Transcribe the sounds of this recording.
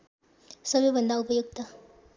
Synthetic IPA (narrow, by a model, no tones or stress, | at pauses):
sʌbebɐnd̪aupʌjuk̚t̪a